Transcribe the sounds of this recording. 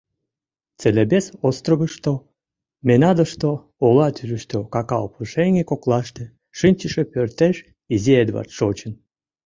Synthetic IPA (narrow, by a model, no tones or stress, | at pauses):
t͡selʲebesost̪roβəʃt̪o | menɑd̪əʃt̪o | olɑt̪yʒəʃt̪okɑkɑopluʃeŋʲekoklˠɑʃt̪ĕ | ʃɨnʲt͡ɕəʃepørt̪eʃ | izied̪βɑ̰rt̪ʃot͡ɕən